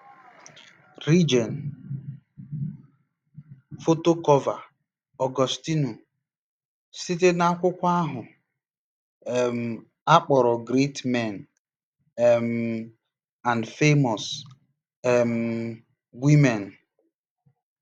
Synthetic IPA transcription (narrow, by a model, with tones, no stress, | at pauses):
ɾi˦d͡ʒɔ˨n̩˨ | fo˦to˦kɔ˦va˨ | ɔ˨ɡɔ˨sti˦nu˨ | si˦t̬e˦na˦kʷʊ˦kʷa˦a˦ɦʊ˨ | e˨m̩˨ | a˦k͡pɔ˨ɾɔ˨ɡɾe˦tmɛ˨n | e˨m̩˨ | a˨ndfe˦mɔ˨s | e˨m̩˨ | ɡʷi˦me˨n